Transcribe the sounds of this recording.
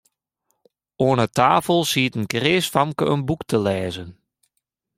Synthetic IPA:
oənətʰaːfəlˠsiətənkreːsfamkəənbuktʰəlɛːzən

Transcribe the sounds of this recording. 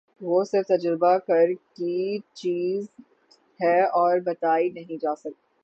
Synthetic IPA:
ʋoːsɪɾft̪ɐd͡ʒɾbakɐɾkit͡ʃiːz | hɛɔːɾbɐt̪aːinɐɦĩd͡ʒaːsɐk̚t̪iː

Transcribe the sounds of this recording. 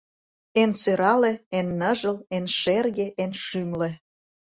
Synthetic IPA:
ensøɾɑlĕenːəʒəlenʃerɣeʔenʃymlĕ

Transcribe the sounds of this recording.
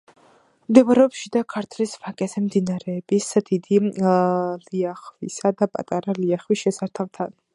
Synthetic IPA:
md̪ɛvɾɛɔpʃid̪akʰaɾt̪ʰlisvakʼɛzɛmd̪inaɾɛːbisd̪̥id̪i | liaχwisad̪apʼa̰t̪ʼaɾaliaχwisʃɛsaɾt̪ʰavt̪ʰan

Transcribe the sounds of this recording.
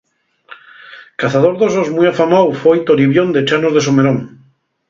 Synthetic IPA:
kaθað̞oɾðozozmujafamawfojt̪oɾiβjond̪et͡ʃanozðesomeɾoŋ

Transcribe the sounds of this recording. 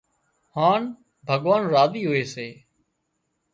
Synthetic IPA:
haːn | bʱəɠʋaːnɾaːziːɦoːeːseː

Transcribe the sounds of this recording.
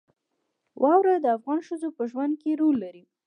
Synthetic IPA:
wʔɑwɾad̪əafɣɑnʃəzopəʒwand̪̚keɾolːaɾi

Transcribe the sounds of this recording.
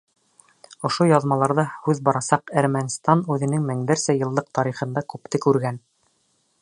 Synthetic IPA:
ŏʃojɑðmɑlˠɑɾðɑhʉðbɑɾɑsɑqæɾmænʲst̪ɑnʉðɘ̆nɘŋmɘ̆ŋd̪æɾsæjɤ̆lˠɤq̚t̪ɑɾiχɤ̆nd̪ɑkʉp̚t̪ɘkʉɾɡæn

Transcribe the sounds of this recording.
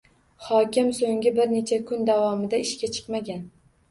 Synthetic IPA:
χɒkʲɪmsoŋɡʲɪbɪɾne̞t͡ʃʰakʰʊnd̪avɒmɪd̪aɪʃkʲat͡ʃʰɨ̥qmaɡʲan

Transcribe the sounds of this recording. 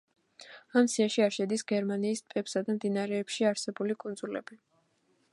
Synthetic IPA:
amsiaʃiaɾʃɛd̪isɡɛɾmaniːspʼɛpsad̪amd̪inaɾɛːpʃiaɾsɛbulikʼund̪zulɛ̰bi

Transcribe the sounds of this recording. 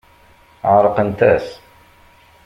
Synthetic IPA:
ʕɾˤəqənt̪æs

